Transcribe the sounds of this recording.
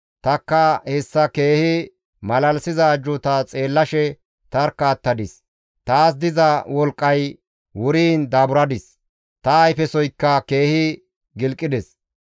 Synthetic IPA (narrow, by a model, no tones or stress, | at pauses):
t̪ɐkːɐhɛsːɐke̞ːhɪ | mɐlɐlsɪzɐːd͡ʒʊt̪ɐt͡sʼe̞ːlːɐʃɛ | t̪ɐɾkːaːt̪ːɐd̪ɪs | t̪aːs̬d̪ɪzɐwɔlkʼːɐj | wʊɾiːnd̪aːbʊɾɐd̪ɪs | t̪ɐːjfɛsɔjkːɐke̞ːhɪ | ɡɪlkʼːɪd̪ɛs